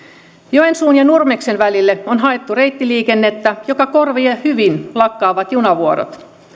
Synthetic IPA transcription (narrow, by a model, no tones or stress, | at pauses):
joensuːnjɑnurmeksenʋælilːeonɦɑe̞t̪ːure̞jt̪ːiliːkenːet̪ːæjokɑkorʋiehyʋinlɑkːɑːʋɑt̪junɑʋuoɾo̰t̪